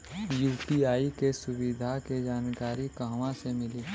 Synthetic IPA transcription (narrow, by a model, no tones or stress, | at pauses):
juːpiaːikesʊwid̪ʱaked͡ʒaːnkaːɾikaɦʋãsemɪliː